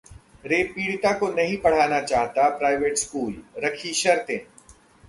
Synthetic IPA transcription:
ɾeːpiːɽt̪akonɐɦĩpɐɽ̤aːnat͡ʃaːɦt̪apɾaːɪʋeːʈskuːlɾɐkʰiʃɐɾt̪ẽː

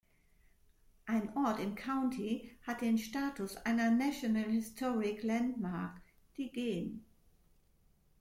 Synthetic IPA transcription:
ʔaɪnʔɔɐtɪmkʰaʊntʰihat̚d̥eːnʃtaːtʰʊsʔa̰ɪnɐnaʃonəlhɪstʰɔʁɪklantmaɐk | d̥iːɡeːn

